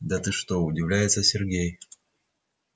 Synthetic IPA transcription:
d̪ɐt̪ɨʂt̪oʊdʲɪvlʲæjɪt̪səsʲɪrɡʲej

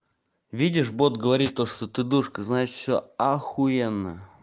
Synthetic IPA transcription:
vʲidʲɪʂbot̪ɡəvɐɾʲit̪̚ʲt̪ːoʂt̪ot̪ɨd̪uʂkəznajɪt̪fsʲoaxujenːə̰

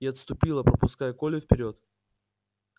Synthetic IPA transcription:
iɐt̪st̪ʊpʲilˠəpɾəpʊskajəko̞lʲɪfʲpʲɪɾʲo̞t̪

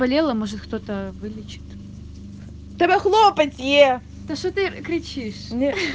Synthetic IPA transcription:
bɐlʲelˠəmoʐɨt̪kt̪ot̪əvɨlʲɪt͡ɕɪ̥t̪ | t̪ɐbʲɛxlˠopətʲje | t̪ɐʂot̪ɨkɾʲɪt͡ɕiʂnʲe

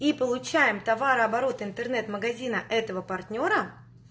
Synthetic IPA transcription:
ipəlˠʊt͡ɕæjɪmt̪ɐvaɾɨɐbɐɾo̞t̪ɪnt̪ərnɛt̪məɡɐzʲinəʔɛt̪əvəpɐrtʲnʲo̞ɾə

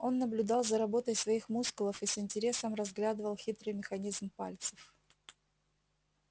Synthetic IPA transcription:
o̞nːəblʲʊd̪ɑlˠzəɾɐbo̞t̪əjsvɐixmuskʊlˠəfisɪnʲtʲɪɾʲe̞səmrɐzɡlʲad̪ɨəvəlˠxʲit̪ɾɨjmʲɪxɐnʲizmpa̰lʲt̪sɨ̥f

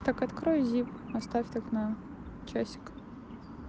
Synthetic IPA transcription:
t̪akɐt̪kɾɔjzʲipɐst̪afʲt̪aknɐ | t͡ʃasʲɪ̥k

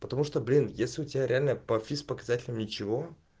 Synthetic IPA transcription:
pət̪ɐmuʂt̪oblʲinjesʲlʲɪʊtʲɪbʲaɾʲɪalʲnəpɐfʲispəkɐzatʲɪlʲɪmnʲɪt͡ɕɪvo̞

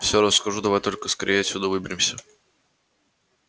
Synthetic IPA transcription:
fsʲoɾəskɐʐud̪ɐvajt̪o̞lʲkəskɐɾʲʔʲeːjəsʲʊd̪uvɨbʲɪɾʲɪmsʲə

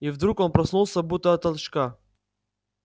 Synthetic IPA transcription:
ivd̪ɾuko̞npɾɐsnulˠsʲɐbut̪əɐt̪ɐlˠʃka

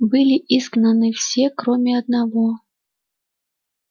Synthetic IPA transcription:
bɨlʲiʔisknənɨfsʲekɾomʲɪɐd̪̚navo

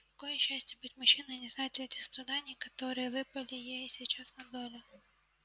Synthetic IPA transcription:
jɐkɔjɛʃasʲtʲɐbʊtʲmʊt͡ʃːɪnɐnʲɪznɑt̪ʲɐtʲist̪ɾɐd̪ɑnʲːikɐt̪ɔɾɨjɛʋɪpɐlʲɪjɛjisʲit͡ʃɑsnɐd̪ɔlʲʊ

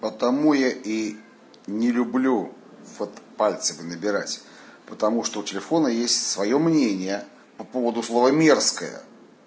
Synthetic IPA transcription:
pət̪ɐmujaʔi | nʲɪlʲʊblʲu | vot̪palʲt̪səmʲɪnəbʲɪɾatʲ | pət̪ɐmuʂt̪oʊtʲɪlʲɪfo̞nəjesʲtʲsvɐjo̞mnʲenʲɪjə | pɐpo̞vəd̪ʊslˠo̞vəmʲerskəjə̰

